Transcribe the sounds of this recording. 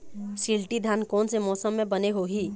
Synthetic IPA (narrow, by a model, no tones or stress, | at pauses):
silʈid̪ʱankɔːnsemɔsəmːẽbəneɦoɦi